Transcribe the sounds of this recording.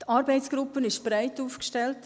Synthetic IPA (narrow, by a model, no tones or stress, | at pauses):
tɑɾbɛɪtsɡ̥ɾupənɪʃb̥ɾæɪtuːfkʃtɛlt